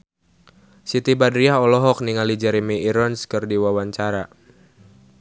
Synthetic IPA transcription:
sit̪ibadɾiaɦɔlɔɦɔk̚niŋalid͡ʒɛɾemiːɾɔnskɨrdiwawaɲt͡ʃaɾa

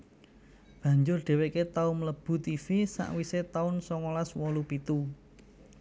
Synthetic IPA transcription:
b̥ä̤ɲd͡ʒʊrɖ̪̥ɛ̤weket̪aʊmləb̥ṳt̪ifisa̰ʔwiset̪aʊnsɔŋolaswɔlupit̪u

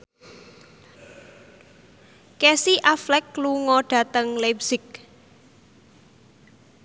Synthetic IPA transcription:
kɛsiʔaflɛk̚luŋɔɖ̥ä̤t̪əŋlɛbsɪk̚

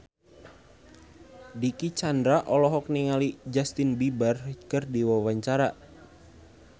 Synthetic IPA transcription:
dikit͡ʃandɾaʔɔlɔɦɔk̚niŋalid͡ʒast̪inbibarkɨrdiwawaɲt͡ʃaɾa

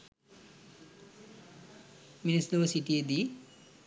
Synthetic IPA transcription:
minisd̪uʋɐsiʈijed̪iː

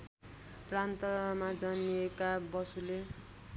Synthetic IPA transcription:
prant̪ʌmad͡zʌniekabʌsule

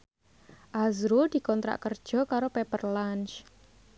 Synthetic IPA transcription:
ʔazɾuld̪̥i̤kɔnt̪ɾa̰ʔkərd̥ʒ̥ɔ̤kaɾopepərlant͡ʃ

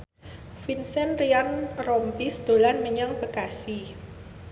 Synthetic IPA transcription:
finsɛnrianrɔmpisd̪̥o̤lanməɲaŋb̥əkasi

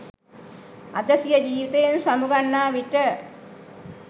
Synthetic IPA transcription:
ad̪əsijəd͡ʒiːʋit̪ejensamuɡanːaːʋiʈə

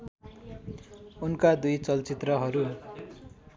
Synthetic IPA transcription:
unkad̪ujt͡sʌlt͡sit̪rʌɦʌɾu

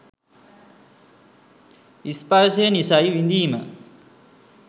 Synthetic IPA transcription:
ispaɾsejənisajʋind̪iːmə

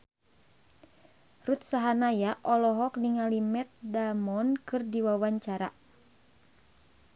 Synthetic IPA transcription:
rut̪̚saɦanajaʔɔlɔɦɔkniŋalimɛt̪̚damɔnkɨrdiwawaɲt͡ʃaɾa

